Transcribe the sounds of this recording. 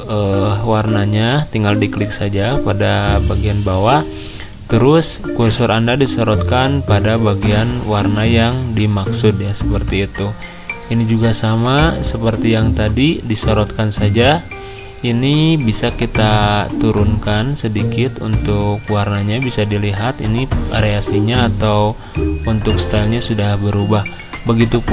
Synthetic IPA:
əwarnaɲat̪iŋɡaldiklɪk̚sad͡ʒapadabaɡianbawa | t̪əɾʊskursʊɾʔandadisəɾɔt̪̚kanpadabaɡianwarnajaŋdimaksʊdjasəpərt̪iːt̪u | inid͡ʒuɡasamasəpərt̪ijaŋt̪adidisoɾɔt̪̚kansad͡ʒa | inibisakit̪at̪uɾʊnkansədikɪt̪ṵnt̪ʊkwarnaɲabisadiliɦat̪ḭnia̰ɾeasiɲaːt̪aw | unt̪ʊkst̪alɲasudahbəɾubah | bəɡit̪up

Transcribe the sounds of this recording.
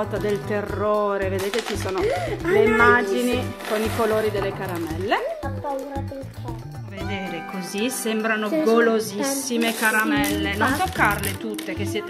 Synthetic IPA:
t̪ad̪elt̪erːoːɾeved̪eːt̪et͡ʃisoːnoleimːad͡ʒinikonikoloːɾid̪elːekaɾamɛlːe | ved̪eːɾekozisɛmbɾanoɡolozisːimekaɾamɛlːenont̪okːarlet̪ut̪ːek̟esːjɛːt̪

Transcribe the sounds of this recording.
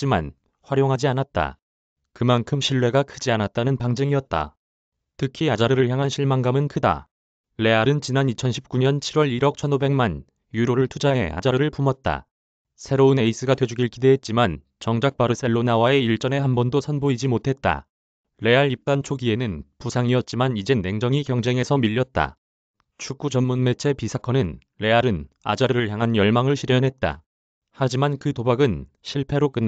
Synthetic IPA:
t͡ɕ͈ima̰n | ɸwaɾjoŋɦad͡ʑianat̚t͈a̰ | kɯmankʰɯmɕʰiɭwe̞ɡakʰɯd͡ʑianat̚t͈anɯnpaŋd͡ʑeŋiʌt̚t͈a̰ | tʰɯkʰiad͡ʑaɾɯɾɯɭçjaŋɦanɕʰiɭmaŋɡamɯnkʰɯda̰ | le̞aɾɯnt͡ɕinanit͡ɕʰʌnɕʰip̚k͈uɲʌnt͡ɕʰiɾwʌɾiɾʌk̚t͡ɕʰʌnobeŋman | juɾoɾɯɭtʰud͡ʑaɦe̞̰a̰d͡ʑaɾɯɾɯɭpumʌt̚t͈a̰ | sʰe̞ɾoɯne̞is͈ɯɡadwe̞d͡ʑuɡiɭkide̞ɦet̚t͡ɕ͈iman | t͡ɕʌŋd͡ʑak̚p͈aɾɯs͈eɭːonawae̞iɭt͡ɕ͈ʌne̞ɦanbʌndosʰʌnboid͡ʑimotʰe̞t̚t͈a̰ | ɾe̞aɾip̚t͈ant͡ɕʰoɡie̞nɯnpusʰaŋiʌt̚t͡ɕ͈imanid͡ʑe̞ne̞ŋd͡ʑʌŋikjʌŋd͡ʑe̞ŋɦe̞sʰʌmiʎːʌt̚t͈a̰ | t͡ɕʰuk͈ud͡ʑʌmmunme̞t͡ɕʰe̞pisʰakʰʌnɯn | ɾe̞aɾɯna̰d͡ʑaɾɯɾɯɭçjaŋɦanjʌɭmaŋɯɭɕʰiɾjʌnɦe̞t̚t͈a̰ | had͡ʑimankɯtobaɡɯn | ɕʰiɭpʰe̞ɾok͈ɯnː

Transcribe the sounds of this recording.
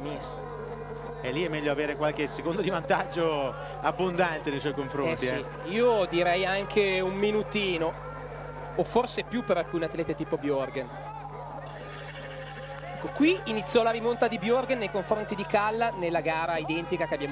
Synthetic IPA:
mes | ɛlːiɛmːɛʎːoaveːɾekwalkesekond̪od̪ivant̪ad͡ʒːo | abːond̪ant̪enejswɔjkoɱfɾoɛnsiɛi | iːod̪iɾɛjaŋkʰeumːinut̪iːnoː | forsepjupːeɾalkuːneat̪ːlɛːt̪et̪iːpobjorɡen | ɛkːokwiinit̪sːjɔlaɾimont̪ad̪ibjorɡenːejkoɱfɾont̪id̪ikalːanelːaɡaːɾaid̪ɛnt̪ikakeabjam

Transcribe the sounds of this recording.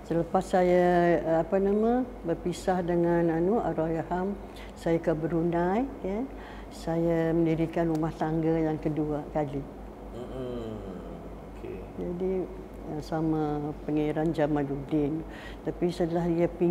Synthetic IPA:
sələpasːajaːpanamə̃bərpisahdəŋananuʔa̰ɾojaham | sajakabəɾunajkan | sajamə̃ndiɾikanrumaht̪aŋɡajaŋkəduakali | okḛ | d͡ʒadi | əsamapəŋaɾand͡ʒamãdudɪn | t̪apisədəlaɦiapi

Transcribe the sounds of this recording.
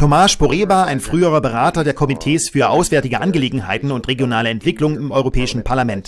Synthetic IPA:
tʰomaːʃb̥oʁeːvaːaɪnfʁ̥yːəʁɐbəʁaːtɐdeːɐkʰɔmitʰɛːsfyːɐʔaʊsv̥ɛːɐtɪɡəʔanɡəleːɡŋ̩ha̰ɪtn̩ʊntʁ̥eɡjonaːləɛntv̥ɪklʊŋənɪmʔɔʏʁopʰɛːɪʃn̩pʰaɐlamɛnt

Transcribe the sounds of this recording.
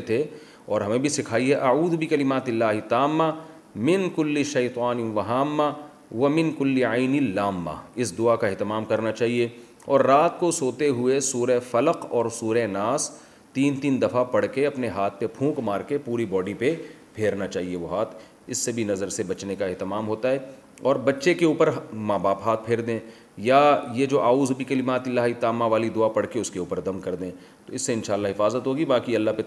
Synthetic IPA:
t̪ʰe | ɔːɾɦɐmẽbʱisɪkʰaːiɦɛʔɐʕuːd̪bikɐlɪmaːt̪ɪlːaːɦɪt̪aːmːa | mɪnkʊlːiʃɐjt̪ˤaːnɪʋɐɦaːmːa | ʋɐmɪnkʊlːiaɪnɪlːaːmːa̰ɪsd̪ʊakaɪɦt̪ɪmaːmkɐɾnat͡ʃaːɦie | ɔːɾːaːt̪kosoːt̪eɦʊesuːɾefɐləqɔːɾsuːɾenaːs | t̪iːnt̪iːnd̪ɐfapɐɽkeɐpneɦaːt̪̚ʰpepʰũːkmaːɾkepuːɾibɔːɖipe | pʰeːɾnat͡ʃaːɦieʋoɦaːt̪ʰ | ɪsːebʱinɐzəɾsebɐt͡ʃnekaɛɦt̪ɪmaːmɦoːt̪aɦɛː | ɔːɾbɐtːʃekeuːpəɾmaːbaːpɦaːt̪̚pʰeːɾd̪ẽː | jajed͡ʒoːʔaːuːzbʱikɐlɪmaːt̪ɪlaːɦit̪aːmaʋaːlid̪ʊapɐɽkeʊskeuːpəɾd̪ɐmkɐɾd̪ẽː | t̪oɪsːeɪnʃaːlːaɦɪfaːzət̪ɦoːɡibaːkiɐlːape

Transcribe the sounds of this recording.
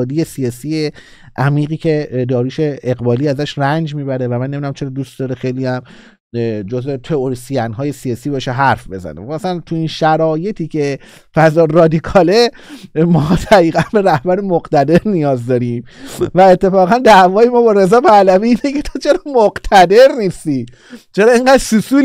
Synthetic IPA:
d̪ijesijɒːsiːje | ʔæmiːɣiːcʰe̞d̪ɒːɾiːʃe̞eɣbɒːliːæzæʃrænd͡ʒmiːbæɾevæmænːmid̪næmt͡ʃʰeɾɒd̪uːst̪̚d̪ɒɾexejliæm | d͡ʒozet̪ʰe̞oɾisijænɦɒːje̞sijɒːsiːbʃeɦæɾfbe̞zæ̰nḛmæsælænt̪ʰuinʃæɾɒːje̞t̪ʰiːcʰe̞ | fæzɒːɾɒːd̪ikʰɒːle̞ | mɒːd̪̥æɣiːɣænbe̞ɾæhbæɾemoqt̪æd̪e̞ɾnijɒːzd̪ɒːɾiːmvæe̞t̪ʰːe̞fɒːɣænd̪æʔvɒːjemɒːbɒɾe̞zɒːpʰælæviːiːnecʰe̞t̪ʰot͡ʃʰe̞ɾɒmoɡt̪ʰæd̪e̞ɾniːst̪i | t͡ʃʰe̞ɾɒːeŋɡæːd̪susuːl

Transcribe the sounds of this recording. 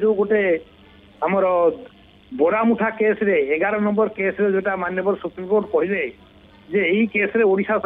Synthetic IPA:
duɡoʈe | amɔɾ | bɔɽamuʈʰakesɾeːɡaɾɔnɔmbɔɾkesɾed͡ʒɔjʈamanjɔbɔɾsupɾimkoʈkɔɦilaj | d͡ʒeejkesɔɾeoɽisas

